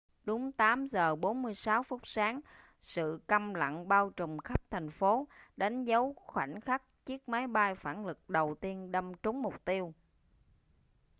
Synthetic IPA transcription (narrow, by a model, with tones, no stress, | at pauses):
ɗʊ˨˦ŋ͡mt̪aː˨˦mzəː˨˩ɓo˨˦nmɨ˧əjsaː˨˦wfʊ˦˥k͡p̚saː˨˦ŋ | sɨ̰˧˨kə˧mla̰˧˨ŋɓaː˧wt͡ɕʊ˨˩ŋ͡mxə˦˥p̚t̪ʰɛ˨˩jŋ̟fo˨˦ɗa˨˦jŋ̟zə˨˦wxwa̰˧˩nxa˦˥k̚t͡ɕi˦˥ək̚ma˨˦jɓa˧jfaː˧˩nlɨ˨˩k̚ɗə˨˩wt̪i˧ənɗə˧mt͡ɕʊ˨˦ŋ͡mmʊ˨˩k͡p̚t̪i˧əw